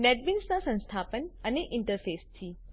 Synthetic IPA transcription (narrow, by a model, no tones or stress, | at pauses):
nɛʈ̚binsnasə̃ñst̪ʰapənəneʔɪɳʈəɾfest̪ʰi